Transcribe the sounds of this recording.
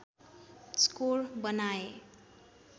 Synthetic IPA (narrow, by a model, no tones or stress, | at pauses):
skolbʌnae